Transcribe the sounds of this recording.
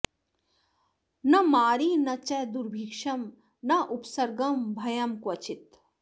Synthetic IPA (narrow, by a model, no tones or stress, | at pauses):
nɐmaːɾiːnɐt͡ʃɛd̪uɾbʱikʂɐm | nɐʔupsɐɾɡɐmbʱɐjɐmkʋɐt͡ʃit̪